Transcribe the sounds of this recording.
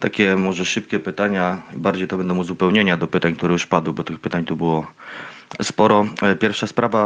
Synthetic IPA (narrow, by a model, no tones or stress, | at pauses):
t̪akʲɛmɔʐɛʂɘp̚kʲɛpɘt̪aɲabaɾd͡ʑejt̪ɔbɛnd̪ɔ̃w̃uzupɛwɲeɲad̪ɔpɘt̪aɲkt̪uɾɛjuʂpad̪wɘbɔt̪ɘxpɘt̪aɲt̪ubɘwɔ | spɔɾɔpʲjɛɾfʂaspɾava